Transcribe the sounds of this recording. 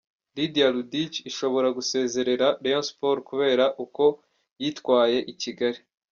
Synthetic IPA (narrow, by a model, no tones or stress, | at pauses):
lidjaludit͡ʃiʃo̞βo̞ɾaɡuse̞ːze̞ɾe̞ɾaɾejonspoɾkuβe̞ːɾaʔuko̞ | jiːtkwaːje̞ʔiciɡaɾi